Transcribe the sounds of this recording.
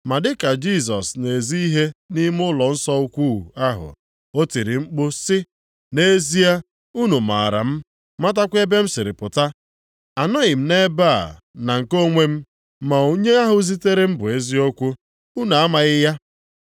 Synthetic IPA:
ma˨dɪ˦ka˨d͡ʒi˦˨s̬ɔ˨sne˨zi˦i˦ɦe˦ni˦m˦ʊ˦lɔ˨n̩˦sɔ˦u˦kʷu˦˨a˦ɦʊ̰˨ | o˦ti˨ɾi˨ŋ͡m̩˦k͡pʊ˦sɪ˦ | ne˦zi˦a˦ | u˦nu˨ma̰˨ɾa̰˨m̩˦ | ma˦ta˦kʷe˦be˦m̩˦sɪ˨ɾɪ˨pʊ˨ta˦ | a˨nɔ˦ɣɪ˨m̩˦ne˦ba̰˦˨ | na˨ŋ̩˨ko˦ŋʷe˦m̩˦ | ma˨o˦ɲe˦a˦ɦʊ˨˦zi˦te˦ɾe˦m̩˦bʊ˨e˦zi˦o˦kʷu˦ | u˦na˨a˦ma˨ɣɪ˦ja˦

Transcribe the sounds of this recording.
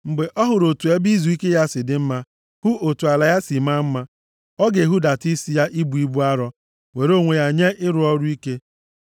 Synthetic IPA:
m̩˨ɡ͡be˨ʔɔ˦ɦʊ˨ɾo˨tu˨e˦bi˦zu˨i˦ke˦ja˦sɪ˨dɪ˨˦m̩˦ma˦ | hʊ˦ʔo˨tu˨a˨la˨ja˦si˨ma˦m̩˦ma˦ | ɔ˦ɡe˨ɦu˦da˨ti˦si˦ja˦ʔi˦bu˨i˦bu˦a˦ɾɔ˦ | we˨ɾo˦ŋʷe˨ja˨ɲe˦ʔɪ˦ɾʊ˨ɔ˦ɾʊ˦i˦ke˦

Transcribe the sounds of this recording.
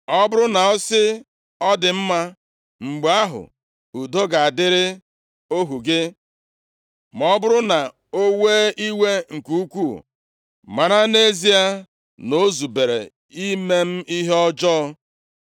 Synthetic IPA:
ɔ˦bʊ˦ɾʊ˦na˨ɔ˦sɪ˦ | ɔ˦dɪ˨m̩˦ma˦ | ŋ͡m̩˨ɡ͡ba˦ɦʊ̰˨ | u˨do˦ɡa˨a˨dɪ˦ɾɪ˦ | o˦ɦu˨ɡe˦ | m˨ɔ˦bʊ˦ɾʊ˦na˨ | o˦weː˦i˦we˦ŋ̩˨ku˦u˦kʷṵ˦˨ | ma˨ɾa˦ne˦zi˦a˦ | no˦zu˨be˨ɾḛ˨ | i˦me˦m̩˦i˦ɦe˦ɔ˦d͡ʒɔ˦

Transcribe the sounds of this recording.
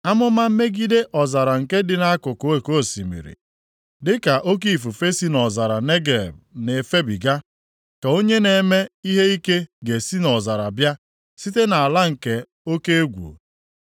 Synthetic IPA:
a˦mʊ˦ma˦m̩˦me˦ɡi˦de˦ʔɔ˨za˨ɾa˨ŋ̩˨ke˦dɪ˨na˦a˦kʊ˨ko˦e˨ko˦˨sḭ˨mḭ˨ɾḭ˨ | dɪ˦ka˨ʔo˦k̬i˦˨fu˨fe˦si˦nɔ˨za˨ɾa˨ne˦ɡḛ˨b̚ne˨fe˦bi˨ɡa˦ | ka˨o˦ɲe˦ne˨me˦i˦ɦe˦i˦ke˦ɡe˨si˦nɔ˨za˨ɾa˨bja˦ | si˦te˦na˨a˨la˦ŋ̩˨ke˦ | o˦ke˦e˦ɡʷṵ˨

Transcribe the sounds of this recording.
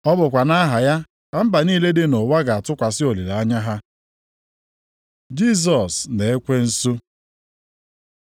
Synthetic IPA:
ɔ˦bʊ˨kʷa˨na˦ɦa˨ja˦ | ka˦m̩˦ba˨niː˦le˦dɪ˦no˨wa˦ɡa˨a˨tʊ˦kʷa˨sɪ˦o˨li˨ɾa˦ɲa˦ɦa˦ | d͡ʒi˦˨s̬ɔ˨sne˨e˦kʷe˦n̩˦su˦

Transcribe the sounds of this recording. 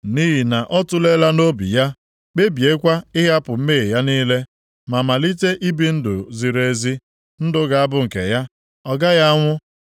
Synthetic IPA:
ni˦ɦi˨na˨ʔɔ˦tʊ˦le˦la˦no˦bḭ˨ja˦ | k͡pe˦bi˨e˦kʷa˦ɪ˦ɦa˦pʊ˨m̩˦me˦˨ja˦niː˦le˦ | ma˨ma˨li˦te˦ʔi˦bi˦n̩˦dʊ̰˨zi˨ɾe˨˦zi˦ | n̩˦dʊ˦ɡa˨a˦bʊ˦ŋ̩˨kḛ˨ja˦ | ɔ˨ɡa˦ja˦ŋʷʊ˦

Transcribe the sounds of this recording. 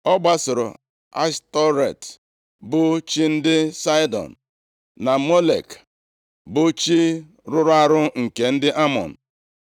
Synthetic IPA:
ɔ˦ɡ͡ba˦sʊ˨ɾʊ̰˨ | a̰˦stɔ˦ɾe˨t | bʊ˨t͡ʃi˦n̩˦dɪ˦sa˦jdɔ̰˨n̩˨ | na˨mo˦lḛ˨k | bʊ˨t͡ʃi˦ | ɾʊ˦ɾʊ˦a˦ɾʊ˦ŋ̩˨ke˨n̩˦dɪ˦ʔa˦mɔ̰˨n̩˨

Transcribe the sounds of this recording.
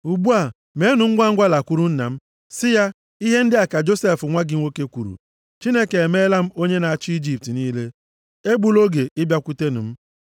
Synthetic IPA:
u˨ɡ͡bu˦a˨ | me˦nʊ˨ŋ̩˦ɡʷa˦ŋ̩˦ɡʷa˦la˨kʷu˦ɾu˦n̩˦na̰˨m̩˦ | sɪ˦ja˦ | i˦ɦe˦n̩˦dɪ˦a˨ka˨d͡ʒo˦se˦˨fʊ˨ŋʷa˦ɡɪ˨ŋʷ˦o˦ke˦kʷu˨ɾṵ˨ | t͡ʃi˦ne˦ke˨e˨me˦la˦m̩˦o˦ɲe˦na˨a˨t͡ʃɪ˦i˦d͡ʒi˨p̚ti˨niː˦le˦ | e˦ɡ͡bu˦lo˦ɡe˨ʔɪ˦bja˦kʷu˦te˦nʊ˨m̩˦

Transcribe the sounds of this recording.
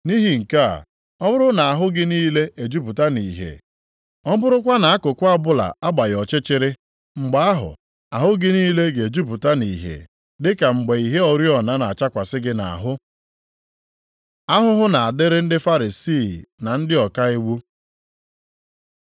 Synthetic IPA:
ni˦ɦi˨ŋ̩˨ka̰˦˨ | ɔ˦bʊ˦ɾʊ˦na˨a˨ɦʊ˦ɡɪ˦niː˦le˦ʔe˨d͡ʒu˦pu˨ta˦ni˨ɦḛ˨ | ɔ˦bʊ˦ɾʊ˦k̬ʷa˦na˨a˦kʊ˨kʷʊ˦a˦bʊ˦la̰˨a˦ɡ͡ba˨jɔ˨t͡ʃɪ˦t͡ʃɪ˦ɾɪ˦ | ŋ͡m̩˨ɡ͡ba˦a˦ɦʊ̰˨ | a˨ɦʊ˦ɡɪ˦niː˦le˦ɡe˨d͡ʒu˦p̬u˨ta˦ni˨ɦḛ˨ | dɪ˦ka˨ŋ͡m̩˨ɡ͡be˨i˨ɦe˦ɔ˨ɾji˦ɔ˨na˦na˨a˨t͡ʃa˦kʷa˨sɪ˦ɡɪ˦na̰˨a̰˨ɦʊ˦ | a˦ɦʊ˦ɦʊ˦na˨a˨dɪ˦ɾɪ˦n̩˦dɪ˦fa˦ɾi˨si˦˨na˨n̩˦dɪ˦ɔ˨ka˦e˦wu˦

